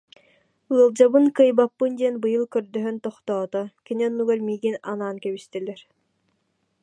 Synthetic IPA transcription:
ɯlˠd͡ʑabɯnkɯjbapːɯnd̪iɛnbɯjɯlˠkœɾd̪œɦœnt̪ɔχt̪ɔːt̪ɔkiniɔnːuɡɛɾmiːɡinanaːnkɛbist̪ɛlɛɾ

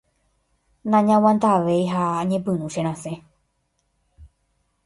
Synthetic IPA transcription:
nãɲãwãnd̪aʋejɦaaɲẽpɨ̃ɾũʃeɾ̃ãsẽ

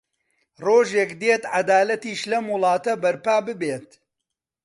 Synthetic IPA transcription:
roːʒekd̪et̪ʕad̪aːlɐt̪iːʃlɐmwʊlˠɑːt̪ɐbɐɾpaːbɨbeːt̪

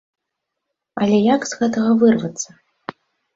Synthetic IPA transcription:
ɐlʲɛjakz̥ɣɛt̪ɐɣɐvɨrvɐt̪sːɐ

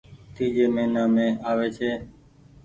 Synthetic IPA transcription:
t̪iːd͡ʒeːmeːnãːmẽːaːʋeːt͡ʃʰeː

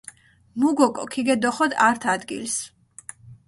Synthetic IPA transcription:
muɡɔkʼɔ̰kʰiɡɛd̪ɔχɔd̪aɾt̪ʰad̪ɡḭls

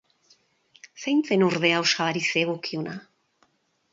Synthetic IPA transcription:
sejnt͡senuɾðe̞awsaβaɾiseɣokiona

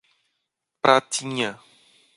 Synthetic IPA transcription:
pɾat̪ʰiɲa

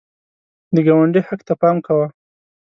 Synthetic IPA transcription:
d̪əɡawaɳɖəjhakt̪apɑmkawa

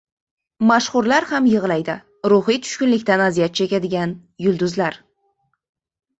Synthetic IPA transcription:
maʃχʊɾlaɾhamjɨʁlˠajd̪ɪ | ɾʊχijt̪ʰʊ̥ʃkʲʊnlɪkʲt̪anazijat̪̚t͡ʃʰekʲad̪ɪɡʲan | jʊlˠd̪ʊzlaɾ

